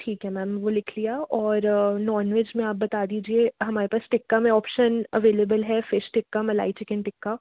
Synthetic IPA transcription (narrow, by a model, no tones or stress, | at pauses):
ʈʰiːkɦɛmɛːmʋolɪkʰlijaɔːɾnɔːɾnʋeːd͡ʒmẽaːp̚bɐt̪ad̪iːd͡ʒieɦɐmaːɾepaːsʈɪkːamẽɔːpʃənɐʋeːleːbəlɦɛfɪʃʈɪkːamɐla̰ːit͡ʃɪkənʈɪkːa